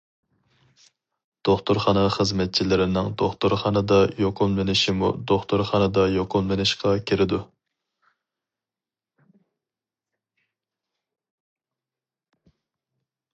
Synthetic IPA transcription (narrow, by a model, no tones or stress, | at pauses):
d̪̥oχt̪ʊɾχɑnɑχəzmɛt̪̚t͡ʃʰilɪɾɪnɪŋd̪oχt̪ʊɾχɑnɨd̪ɑjoqʰʊlˠmɪnɪʃimṵd̪oχt̪ʊɾχɑnɨd̪ɑjoqʰʊlˠmɪnɪʃqʰɑkʲʰiɾɪd̪u